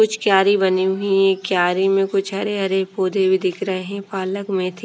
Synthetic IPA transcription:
kʊt͡ʃʰkjaːɾibɐniɦʊiɛ̃kjaːɾimẽkʊt͡ʃʰɐɾeɦɐɾepoːd̪ʱebʱid̪ɪkʰɾɐɦeɦɛ̃paːləkmẽt̪ʰi

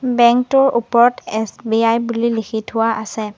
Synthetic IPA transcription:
bɛŋktʊɹupɔɹɔtɛsbiajbulilikʰitʰʊwaʔasɛ

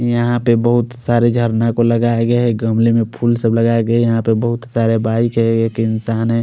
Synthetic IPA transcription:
jəɦãpebəɦʊt̪saːɾed͡ʒʱəɾnakoləɡaɡəɦɛɡəmlemẽpʰulsəbləɡaɡəejɐɦãpebəɦʊt̪saːɾebaːɪkɦɛekeɪnsaːnɦɛ̃

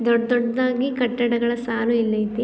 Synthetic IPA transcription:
d̪ɔɖd̪ɔɖd̪aːɡikɐʈːɐɽɐɡɐɭɐsaːluilːɐjt̪i

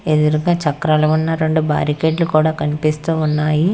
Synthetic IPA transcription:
ed̪uɾuɡaːt͡ʃɐkɾɐlɐʋunːɐɾeɳɖuba̰ːɾikeːɖlukuːɽaːkɐnipist̪uːunːaːji

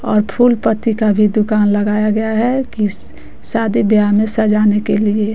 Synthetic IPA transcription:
ɔːɾpʰuːlpət̪ikabʱid̪ʊkaːnləɡaːjaɡɐjaɦɛki | saːd̪ibjamẽsəd͡ʒaːnekelie

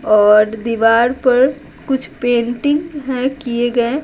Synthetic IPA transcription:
ɔːɾd̪iʋaːɾpɐɾ | kʊt͡ʃʰpẽːɳʈɪ̃ŋɡɦɛ̃kieɡɐẽ

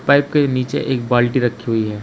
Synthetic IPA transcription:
paːɪp̚keniːt͡ʃḛʔeːk̚baːlʈiɾɐkʰːiɦuiɦɛː

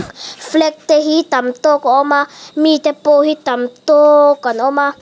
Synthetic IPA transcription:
flɛk̚t̪ɛɦit̪amt̪okɔʔɔmamit̪ɛpoɦit̪amt̪okanɔma

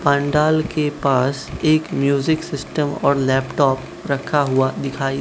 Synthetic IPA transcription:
pãːɳɖaːlkepaːseːkmjuːzɪksɪsʈəmɔ̰ːɾlɛːpʈɔːp | ɾɐkʰaɦʊad̪ɪkʰaːi

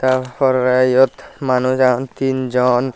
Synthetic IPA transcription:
t̪apʰɔɾːajɔt̪manud͡ʒant̪ind͡ʒɔn

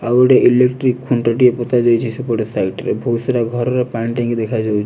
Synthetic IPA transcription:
aɡɔʈeʔilekʈɾikːʰuɳʈaʈiepɔt̪ad͡ʒawt͡ʃʰisupɔɾsajʈɾebʱuseɾaɡʱɔɾɔɾepaɳʈĩŋɡd̪ekʰad͡ʒawt͡ʃʰ

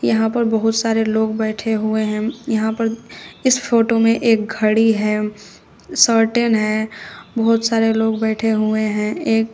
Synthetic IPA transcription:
jɐɦãpɐɾbɐɦʊt̪saːɾeloːɡbɛːʈʰeɦʊeɦɛ̃jɐɦãpɐɾɪspʰoːʈomẽʔeːk̚ɡʱɐɽiɦɛː | səɾʈenɦɛbɐɦʊt̪saːɾeloːɡbɛːʈʰeɦʊeɦɛ̃eːk̚

